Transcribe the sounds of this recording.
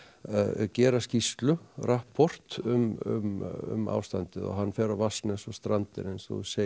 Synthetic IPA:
cɛːɾascist̪lʏrahpʰɔr̥t̪ʏmʏ̰mʏ̰ma̰ːwst̪ant̪ɪðɔ̰ɦanːfɛːɾavasnɛsɔst̪ɾant̪ɪ̰ɾensɔ̰ðuse

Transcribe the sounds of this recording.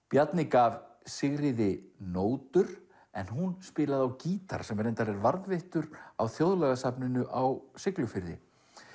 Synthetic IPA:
pjat̪nɪkav | sɪɣɾɪðɪnoːwt̪ʏɾ̥ | ɛnɦunspɪːlaðawciːt̪a̰ɾ̥sɛmvɛɾent̪aɾɛɾvaɾðvɪht̪ʏɾawθjowðlɛɣasapnɪnʏʔawsɪklʏfɪɾðɪ̰

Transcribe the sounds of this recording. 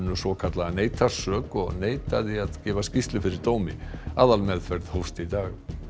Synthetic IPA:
nːʏsɔkʰat̪laɣaneːjt̪ḁsœːkɔɣneːjt̪aðɪaðcɛːvascist̪lɪfɪɾɪɾt̪oːwmɪ̰aːðalmɛðfvɛɾðhowst̪ɪit̪aːɣ

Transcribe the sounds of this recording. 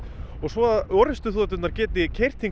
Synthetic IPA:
ɔɣsvɔaðɔɾɪst̪ʏθɔːt̪̬ʏt̪naɾ̥cɛːt̪ɪcʰejr̥t̪ʰiŋ

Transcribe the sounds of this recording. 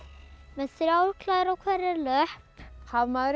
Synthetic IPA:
mɛðsɪɾaːwɾkʰlaːjɾawkʰvɛɾɛɾlœhphavmaðɾ

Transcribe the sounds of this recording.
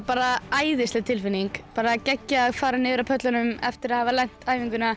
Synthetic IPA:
paːɾaaːjðɪsɪt̪ʰɪlfɪnːiŋkpaːɾacɛcːaːðfaːɾanɪːðʏɾapʰœt̪lanʏmɛft̪ɪɾaðhavalɛn̥tt̪aːjviŋkʏna

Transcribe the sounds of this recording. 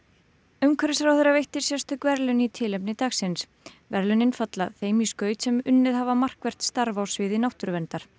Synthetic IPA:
ʏmkʰɛɾɪsaɾawθejɾavejht̪ɪɾ̥sjɛst̪ʏkvɛɾlʏnit̪ʰɪlepnɪt̪axsɪns | vɛɾlʏnɪnfat̪laθejmiskœːɥt̪sɛmʏnːɪðhavamar̥kvɛr̥t̪st̪aɾvawsvɪːðɪnawht̪ʏɾvɛnt̪aɾ̥

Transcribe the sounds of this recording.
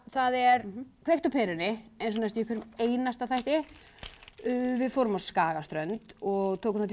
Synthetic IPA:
θaðɛɾ̥kʰvejht̪awpʰɛːɾʏnɪɛnsɔnast̪jɛhkʰvɛɾʏmeːjnast̪aðθajht̪ɪ | vɪðfowɾʏmaskaːɣast̪ɾœnt̪ɔɣt̪ʰoːkʏmθat̪ʰ

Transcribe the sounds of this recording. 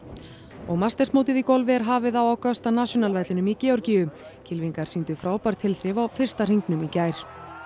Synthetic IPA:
ɔɣmast̪ɛrsmoːt̪ɪðikɔlvɪɛɾɦaːvɪðawawkœst̪anasjɔnalvajt̪lɪnʏmicɛːɔɾcijʏ | cʰɪlviŋkaɾ̥sint̪ʏfɾaːwpaɾ̥t̪ʰɪlθɾɪvawfɪr̥st̪ar̥iŋknʏmicaːjɾ̥

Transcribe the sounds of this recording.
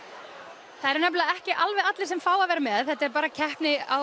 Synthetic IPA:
θaðɛɾnapllaɛhcɪʔalvɛðat̪lɪsɛmfaːwavɛːɾamɛðθɛht̪ːɛɾpaːɾacʰɛhpnɪa

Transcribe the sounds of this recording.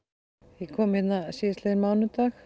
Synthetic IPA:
ikʰɔːmhɛt̪nasiːst̪leðɾmawnʏt̪ax

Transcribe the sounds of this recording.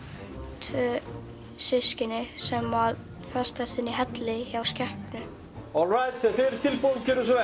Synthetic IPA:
t̪ʰvœː | sɪscɪnɪsɛmað | fɛ̥st̪asɪnːɪɦɛt̪lɪçawscɛhpnʏ | ɔlɾajt̪ɛθɪɾt̪ʰɪlpolcɛɾʏs̬ɛ

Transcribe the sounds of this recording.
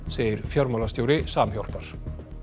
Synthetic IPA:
seːjɪɾfjœɾmaːlast̪joːwɾɪsaːmçjowl̥paɾ̥

